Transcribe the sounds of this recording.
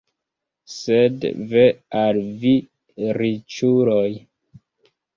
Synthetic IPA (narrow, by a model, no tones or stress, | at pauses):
sedvealvi | ɾit͡ʃuɾoj